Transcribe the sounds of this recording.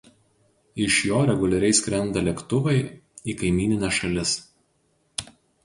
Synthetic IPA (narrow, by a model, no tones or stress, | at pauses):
ɪʃjoːɾʲɛɡʊlʲɛɾʲɛɪsʲkʲɾʲɛnˑd̪ɐlʲɛkt̪ʊʋɐɪiːkɐɪmʲiːnʲɪnʲɛʃɐlʲɪs